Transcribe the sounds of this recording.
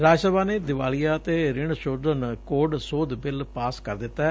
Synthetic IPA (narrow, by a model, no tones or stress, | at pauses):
ɾaːd͡ʒsəbaːneːd̪ɪʋaːlijaːt̪eːɾɪɳ̃ʃoːd̪ənkoːɖsoːd̪bɪlpaːskəɾd̪ɪt̪ːɛː